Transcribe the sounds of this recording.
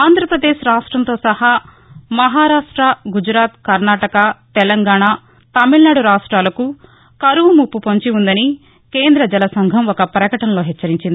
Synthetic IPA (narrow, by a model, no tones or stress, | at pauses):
aːnd̪ʱɾɐpɾɐd̪eːʃɾaːʂʈɾɐnt̪o̞ːsɐha | mɐɦaːɾaːʂʈɾɐɡud͡ʒɾaːt̪kɐɾnaːʈɐkɐt̪ɛlɐŋɡaːɳaː | t̪ɐmiɭnaːɽuɾaːʂʈɾaːlɐku | kɐɾuʋumupːupoɲt͡ʃiund̪ɐni | ke̞ːnd̪ɾɐd͡ʒɛlɐsɐŋɡʱɐmɔkɐpɾɐkɐʈɐnɐlo̞ːɦɛt͡ʃːɐɾiɲt͡ʃind̪i